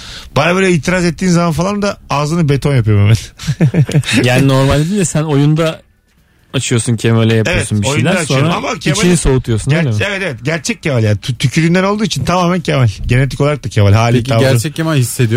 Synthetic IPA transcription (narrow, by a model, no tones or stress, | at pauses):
b̥aɾabølʲɛiːt̪ʰiɾazɛt̪ːiːnzamanfalˠand̪aaːzɯnɯbe̞t̪ʰo̞njapɯjomemɛn | jaːnino̞ɾmalʲd̪d̪iːɛsænojund̪a | at͡ʃʰɯjo̞ɾsuncʰemelʲejapevoɛtsunbiojunæaːt͡ʃ̪sojoɾaamacʰemt͡ʃainisout̪ʰujosunɾevɛt̪evɛt̪ɟæɾt͡ʃʰɛc̚cːemalʲjaːnʰt̪ʰycʰyɾynd̪ænolˠd̪uːit͡ʃʰint̪ʰamaːmæncʰemalʲɟe̞ne̞t̪ʰikʰo̞aɾak̚t̪acʰemalʲhaːlʲiaæɾt͡ʃʰɛc̚cʰːemalʲhisːed̪ijo